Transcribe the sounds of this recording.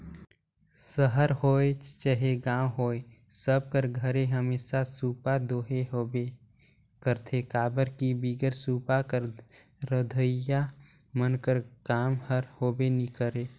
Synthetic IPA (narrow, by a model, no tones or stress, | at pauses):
səɦəɾɦoːet͡ʃəɦeɡãːwɦoːesəb̚kəɾɡʱəɾeɦəmeːsasuːpad̪oːɦeɦobe | kəɾt̪ʰekaːbəɾkibiːɡəɾsuːpakəɾ | ɾəd̪ʱəja | mənkəɾkaːmhəɾhoːbenikəɾeː